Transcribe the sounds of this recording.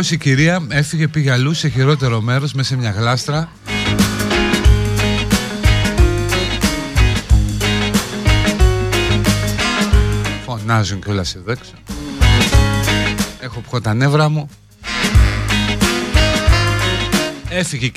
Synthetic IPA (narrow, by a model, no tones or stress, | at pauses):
osiciɾiɐe̞θiʝe̞piʝɐluse̞çiɾo̞t̪̬e̞ɾo̞me̞ɾo̞zme̞semɲɐɣlɐst̪ɾɐ | fo̞nɐzuɲceo̞lɐsiðekso | exo̞pxo̞t̪ɐne̞vɾɐmu | e̞θiʝe